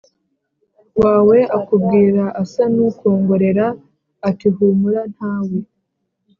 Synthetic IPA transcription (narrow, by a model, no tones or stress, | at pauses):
waːwe̞ʔakubɡiːɾaʔːsanuko̞ːŋɡo̞ɾe̞ɾaː | tiɦuːmuɾan̥haːwe